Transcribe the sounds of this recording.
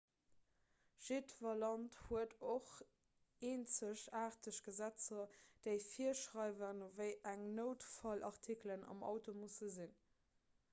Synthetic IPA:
ʒ̥etvɐlɑnthuədoχ | eːnt͡səɕaːʁtəɕɡ̥əzæt͡sɐd̥eɪfiəʃʁɑɪvənovəɪʔæŋnoʊtfɑlʔɑʁtʰiklənɑ̰mɑ̰ʊtomusəzin

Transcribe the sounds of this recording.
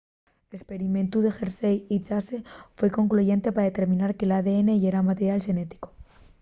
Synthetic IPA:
lespe̞ɾiment̪uðe̞xeɾsejit͡ʃase̞fwe̞ko̞ŋkluʝe̞nt̪epaɾaðe̞t̪e̞ɾmĩnaɾke̞laðe̞ene̞ʝeɾamat̪eɾjalʃe̞ne̞t̪i̥ko

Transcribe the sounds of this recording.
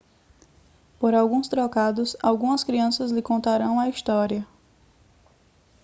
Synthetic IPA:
poɾawɡũst̪ɾɔkad̪ʊsawɡũmɐskɾiɐ̃sɐzlɪkõnt̪aɾɐ̃w̃ɐist̪ɔɾiɐ

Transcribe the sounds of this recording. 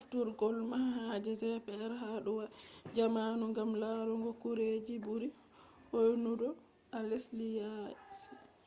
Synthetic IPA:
ʔaftuɾɡɔlmahad͡ʒɛsɛpɛɛɾɦaɗuwad͡ʒamanuŋɡamlaɾuŋɡɔkuɾed͡ʒibuɾi | hojnudɔ | ʔaleslijasɛ

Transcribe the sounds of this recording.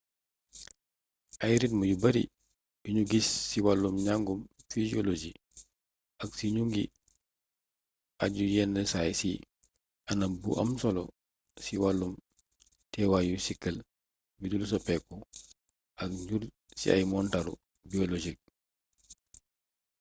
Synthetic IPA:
ʔɐjɾitmɐjubɐɾḭ | juɲuɡisːiwalːumɲaŋɡumfiziolod͡ʒi | ʔɐksiɲuŋɡḭ | aɟujɛnːɛsajsi | ʔɐnɐbṵʔɐ̰msɔlɔ | siwalːum | tɛwajusikːəl | bidulus̬ɔpɛkɔ | ʔɐk̚ɲul | sḭa̰jmɔntaɾṵ | biɔlɔʒik̚

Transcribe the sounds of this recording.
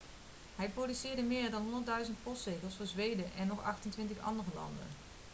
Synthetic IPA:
ɦɛjprodysɪːɹdəmɪːɹdɑnɦɔndəɹtdœɥzənt̚pɔstrejɣəlˠsfʊːɹzʋejdəʔɛnːɔχɑxtəntʋɪntəxɑ̰ndərəlɑ̰ndə̰n

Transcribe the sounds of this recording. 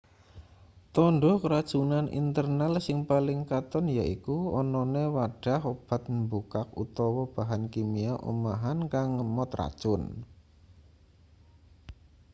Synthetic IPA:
t̪ɔnɖɔkəɾad̥ʒ̥unanʔḭnt̪ərnalsɪŋpalɪŋkat̪ɔnjaʔikuɔnɔnewaɖ̥a̤ɦob̥a̤t̪̚mbukak̚ut̪ɔwɔb̥aɦankimiaʔṵmaɦankaŋːəmɔt̪ra̰d̥ʒ̥ʊn

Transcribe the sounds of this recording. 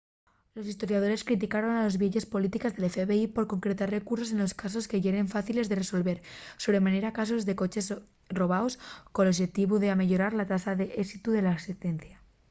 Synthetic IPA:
lo̞sist̪o̞ɾjað̞o̞ɾe̞skɾit̪̬ikaɾo̞nalozβjeʎespo̞lit̪ikazðe̞lefeβeipo̞ɾko̞ŋkɾet̪arre̞kuɾsos̬e̞nlo̞skaso̞ske̞ʝeɾe̞ɱfaθile̞zðe̞reso̞lβe̞ɾso̞βɾe̞maneɾakas̬o̞zðe̞ko̞t͡ʃe̞s | ro̞β̞aoskoloβʃet̪iβuðeameʎoɾaɾlat̪asaðe̞ʔesit̪uðe̞laset̪enθja

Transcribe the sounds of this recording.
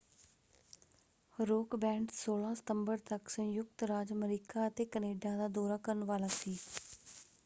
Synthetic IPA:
ɾoːkbɛ̃ːɳɖsoːlãːsə̥t̪əmbəɾt̪əksə̃jʊk̚t̪ɾaːd͡ʒəməɾiːkaːət̪eːkəneːɖaːd̪aːd̪oːɾaːkəɾənʋaːlaːsiː

